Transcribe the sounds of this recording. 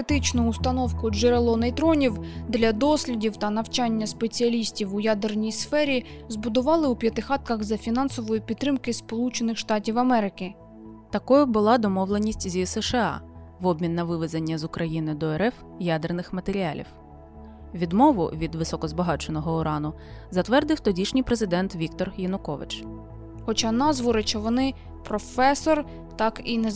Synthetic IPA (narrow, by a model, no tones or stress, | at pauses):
ɪt̪ɪt͡ʃnʊːst̪ɐnɔwkʊd͡ʒeɾelˠɔnejt̪ɾɔnʲiwd̪lʲɐd̪ɔsʲlʲidʲiwt̪ɐnɐwt͡ʃɑnʲːɐspe̞t͡sʲiɐlʲisʲtʲiwʊjad̪ernʲijsfɛɾʲizbʊd̪ʊʋɑlˠɪupʲjɐt̪ɪxɑt̪̚kɐɣzɐfʲinɑnsɔʋɔjipʲid̪̚t̪ːɾɪmkɪspɔlˠut͡ʃenɪxʃt̪ɑtʲiwɐmɛɾɪkɪ | t̪ɐkɔjʊbʊlˠɑd̪ɔmɔwlˠenʲisʲtʲzʲisɛʃeɑ̰ | ʋɔbʲmʲinːɐʋɪʋezenʲːɐzʊkɾʔɐjinɪd̪ɔɛɾɛf | jad̪ernɪxmɐt̪eɾʲiɑlʲḭw | ʋʲid̪mɔʋʊ̰ʋʲid̪ʋɪsɔkɔzbɐɦɑt͡ʃɔnɔɦɔɔɾɑnʊ | zɐt̪ʋɛrd̪ɪwt̪ɔdʲiʃnʲijpɾezɪd̪ɛnt̪ʋʲikt̪ɔrjɐnʊkɔʋɪ̰t͡ʃ | xɔt͡ʃɑnɑzʋɔɾet͡ʃɛʋɔnɪ | pɾɔfɛsɔr | t̪ɑkine